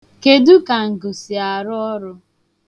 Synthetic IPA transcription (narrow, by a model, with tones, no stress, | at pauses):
ke˨du˦ka˨ŋ̩˨ɡʊ˨si˨a˨ɾʊ˦ɔ˦ɾʊ˦